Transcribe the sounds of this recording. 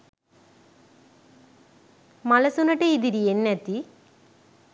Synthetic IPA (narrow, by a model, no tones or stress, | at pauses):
mɐlɐsunɐʈːeiðiɾijenːɐt̪ːi